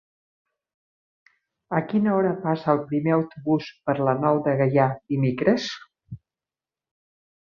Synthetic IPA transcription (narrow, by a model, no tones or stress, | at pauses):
əkinəɔɾəpasəəːlˠpɾimeəwt̪uβuspəɾlənɔwd̪əɣəjad̪imekɾəs